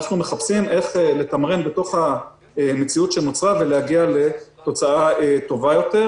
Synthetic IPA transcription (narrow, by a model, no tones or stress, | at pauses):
aχnume̞χapsimʔe̞χele̞t̪amʁe̞nbet̪o̞χha | eme̞t͡siut̪ʃenot͡sʁave̞lehaɡiale̞to̞t͡saaet̪o̞vajo̞te̞ʁ